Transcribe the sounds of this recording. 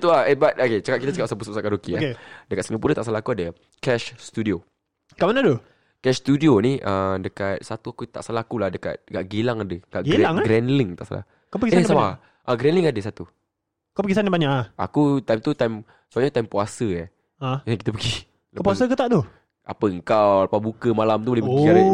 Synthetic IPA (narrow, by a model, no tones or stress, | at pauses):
t̪uaebat̪̚oket͡ʃəkaʔ̚kit̪at͡ʃəkaʔsap̬usap̚saʔkaɾukiadəkat̪səmiap̬uɾət̪aʔsalaakuadə | kɛʃst̪udio | kaʔmanad̪o | kɛʃst̪udioniʔədəkat̪̚sat̪uakut̪a̰ʔsalaakulahdəka̰t̪̚kaʔɡilaŋadəkaʔɡɛaŋɡɾɛnliŋt̪aʔsa̰la̰h | kapəɡiseansama | ʔaɡɾɛnliŋadəsat̪u | kopəɡisanibaɲaʔa̰kut̪ajmt̪ut̪ajm | suaɲət̪ajmpuasəja | ajaŋkit̪əpəɡi | ləpuasakut̪aʔt̪o | a̰pəəŋkawlapabukəmalamt̪ubolɛhbəɡiaa